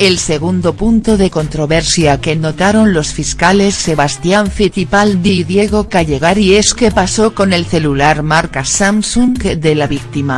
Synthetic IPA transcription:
e̞lse̞ɣ̞und̪o̞punt̪o̞ðe̞ko̞nt̪ɾo̞βe̞ɾsjakeno̞t̪aɾo̞nlo̞sfiskale̞sːe̞βast̪jaɱfiθipald̪iðje̞ɣ̞o̞kaʝe̞ɣ̞aɾieske̞paso̞ko̞ne̞lθe̞lulaɾmaɾkasamsuŋkd̪e̞laβik̚t̪ima

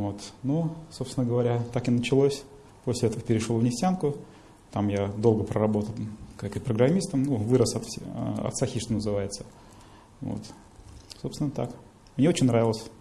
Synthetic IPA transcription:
vot̪nuso̞pst̪ʲɪnəɡəvɐɾʲat̪akɨnət͡ɕɪlˠosʲ | posʲlʲɪɛt̪əvəpʲɪɾʲɪʂlˠovnʲɪsʲtʲankʊ | t̪amjad̪o̞lˠɡəpɾəɾɐbo̞t̪əlˠkakipɾəɡɾɐmʲist̪əmnuvɨɾəsɐt̪fɐ̰t̪saxʲiʂt̪onəzɨvajɪt̪sə̥ | vo̰t̪ | so̞pst̪ʲɪnːət̪a̰k | mnʲeot͡ɕɪnʲnɾavʲɪlˠəsʲ

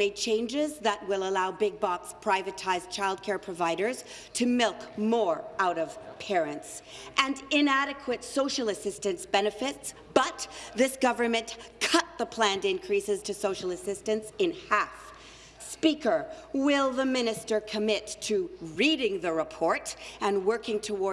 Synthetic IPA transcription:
eɪd̚t͡ʃʰẽɪ̃nd͡ʒɪzðət̚wɪlˠəlaʊbɪɡ̚bɑkspʰɹ̥aɪvɨtʰaɪzt͡ʃʰaɪlˠd̚kʰɛɹpʰɹ̥ɨvaɪɾə˞z̥ | tʰɨmɪlˠkmɔɹaʊɾʌv̥pʰɛɹɨ̃nts | ʔɨ̃nɪ̃næɾɨkʰwɨtsoʊʃl̩ˠɨsɪstɨ̃nsb̥ɛnɨfɪts | b̥ʌt̪̚ðɪsɡ̥ʌvə˞mɨ̃nkʰʌt̪̚ðəpʰl̥æ̃ndɪ̃nkʰɹ̥isɨz̥tʰɨsoʊʃl̩ˠəsɪstɨ̃nsɨ̃nhæf | spikə˞wɪlˠðəmɪ̃nɨstə˞kʰɨmɪtʰɨɹiɾɪ̃ŋðɨɹɨpʰɔɹɾɨ̃nwɜ˞kɪ̃ŋtʰəwɔ

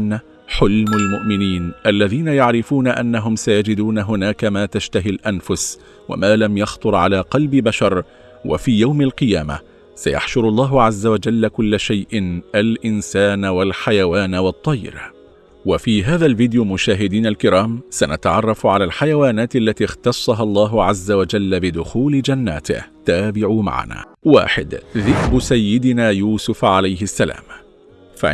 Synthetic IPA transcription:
n | ħʊlmalmʊʔmɪniːnʔalːaðiːnajaʕɾɪfuːnaʔanːaɦʊmsajad͡ʒɪd̪uːnaɦʊnaːkamaːt̪aʃt̪aɦilʔanfʊs | wa̰maːlamjɑxt̪ˤʊɾˤʕalaːqɑlbɪbaʃɑɾˤ | wa̰fiːjawmalqɨjaːma̰ | saja̰ħʃʊɾɑlˤːɑːɦʊʕazːawad͡ʒalːakʊlːaʃajʔɪnʔalʔɪnsaːnwalħajawaːnwɑt̪ˤːɑjːɾ | wafiːɦaːðalvɪːd̪ɪjʊmʊʃaːɦɪd̪iːnalkɪɾaːmsanat̪aʕɑrˤːɑfʕalaːlħajawaːnaːt̪alːat̪iːxt̪ɑsˤːɑɦɑlˤːɑːɦʊʕazːawad͡ʒalːabɪd̪ʊxuːlɪd͡ʒanːa̰ːt̪ɪ̰ht̪aːbɪʕuma̰ʕa̰na̰ː | wa̰ːħɪ̰d̪ðɪkbʊsajːɪd̪ɪnaːjuːsʊfʕalajɦɪsːala̰ːm | fa̰ʕ

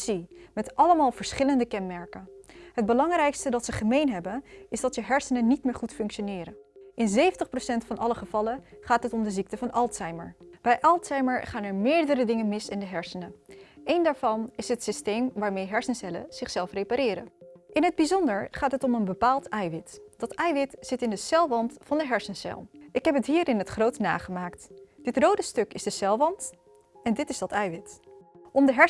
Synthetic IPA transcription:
z̥imɛtʔɑləmaːlˠvəɹsχɪləndəkɛnmɛɹkənɦəd̚bəlɑŋrɛjkstədɑtsəχəmejnɦɛbənɪzdɑtəɦɛɹsənənːitmɪːɹχutfɵŋkʃonɪːɾənʔɪnzejvəntəχprosɛntfɑnɑləχəv̥ɑləχaːtɦətɔmdəzik̚təvɑnʔɑlˠtsɛjmə̰ɹb̥ɛjʔɑlˠtsɛjməɹχaːnɛɹmɪːɹdəɾədɪŋənmɪsɪndəɦɛɹsənəʔejndaːɹvɑnɪsɦətsistejmʋaːɹmejɦɛɹsənsɛlə̰z̥ɪχsɛlˠfrejpaɾɪːɾə̰nʔɪnɦəd̚bizɔndəɹχaːtɦətɔmənbəpaːlˠtɛjʋɪtd̥ɑtɛjʋɪtz̥ɪtɪndəsɛlˠʋɑntfɑndəɦɛɹsənsɛ̰lˠʔɪkɦɛpɦətɦiːɾɪnɦətχrowtna̰ːχəmaːktd̥ɪtrowdəstɵkɪzdəsɛlˠʋɑnt | ɛndɪtɪzdɑtɛjʋɪtʔɔmdəɦɛ

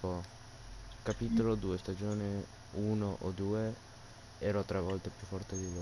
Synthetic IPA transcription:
o | kapiːt̪olod̪uːest̪ad͡ʒoːni | uːnoʔod̪uːe | ɛːɾɔt̪ːɾɛvːɔlt̪epjufːɔrt̪ed̪ilo

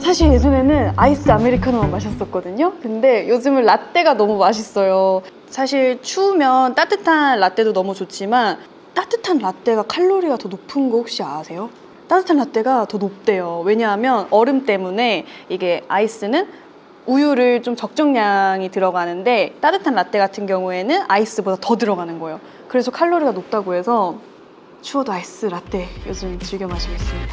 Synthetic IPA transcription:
sʰaɕʰiɾje̞sʰune̞nɯnais͈ʰɯame̞ɾikʰanomomaɕ̬ʰʌs͈ʌt̚k͈ʌdɯɲokɯnde̞jod͡ʑɯmɯnlat͈e̞ɡanʌmumaɕʰis͈ʌjo | sʰaɕʰiɭt͡ɕʰumjʌnt͈at͈ɯtʰanɭat͈e̞donʌmut͡ɕot͡ɕ͈ʰiman | t͈at͈ɯtʰanɾat͈e̞ɡakʰaɭːoɾiɡatʌnopʰɯnɡʌhok̚ɕ͈iaasʰe̞jo | t͈at͈ɯtʰanːat͈e̞ɡatʌnop̚t͈e̞jowe̞ɲaɦamjʌnʌɾɯmt͈e̞mune̞iɡe̞ais͈ɯnɯn | ujuɾɯɭt͡ɕomt͡ɕʌk̚t͡ɕ͈ʌŋɲaŋitɯɾʌɡanɯnde̞t͈atɯtʰanɾat͈e̞ɡatʰɯnɡjʌŋue̞nɯnais͈ɯbodatʌdɯɾʌɡanɯnɡʌjo | kɯɾe̞sʰʌkʰaɭːoɾiɡanop̚t͈aɡoɦe̞sʰʌ | t͡ɕʰuʌdoais͈ɯɾat͈e̞jod͡ʑɯmt͡ɕiɭɡjʌmɦaɕʰiɡes͈ɯmidda

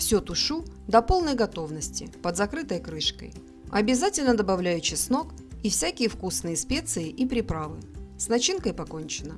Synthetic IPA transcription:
fsʲut̪ʊʂud̪ɐpo̞lˠnəjɡɐt̪o̞vnəsʲtʲɪpəd̪zɐkɾɨt̪əjkɾɨʂkə̰j | ɐbʲɪzatʲɪlʲnəd̪əbɐvlʲæjʉt͡ɕːɪxsno̞k | ifsʲækʲɪjəfkusnɨjəspʲe̞t̪sɨjɪʔipɾʲɪpɾavɨsnɐt͡ɕinkəjpɐko̞nʲt͡ɕɪnə

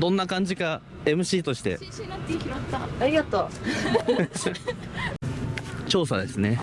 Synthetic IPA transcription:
d̪õ̞nːakãɲ̟d͡ʑika | e̞mɯ̟ɕiːt̪o̞ɕi̥t̪e̞̰ | aɾʲiɡat̪o | t͡ɕo̞ːsad̪e̞sɨne̞

